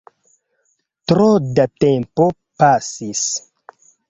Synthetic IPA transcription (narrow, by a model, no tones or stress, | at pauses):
tɾodatempo̞ | pasis